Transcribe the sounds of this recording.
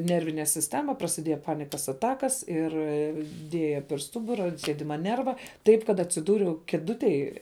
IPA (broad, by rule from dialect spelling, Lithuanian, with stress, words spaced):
ˈnʲɛrʲʋʲɪnʲɛ sʲɪsʲˈtʲæːmɐ prɐsʲɪˈdʲiɛjɛ ˈpɑːnʲɪkɐs ɐˈtɑːkɐs ˈɪr ˈdʲiɛjɛ pʲɛr ˈstʊbʊrɐ ɐnt ˈsʲiɛdʲɪmɐ ˈnʲɛrʋɐ nʲɛrʋɑː ˈtɐɪp kɐt ɐtʲsʲɪˈduːrʲɛʊ kʲeːˈdʊtʲeːj